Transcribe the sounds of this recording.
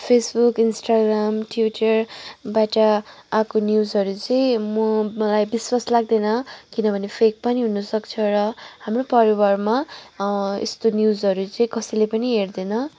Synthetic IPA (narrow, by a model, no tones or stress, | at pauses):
pʰesbukinsʈaɡramʈwiʈʌrbaʈʌakonjuzɦʌɾut͡sʌĩmʌmʌlajbiswaslaɡ̚d̪enʌkinʌbʱʌnepʰek̚pʌniɦunʌsʌkt͡sʰʌɾʌɦamropʌɾiwʌrma | ḛst̪onjuzɦʌɾut͡sʌĩkʌsʌjlepʌniɦerd̪enʌ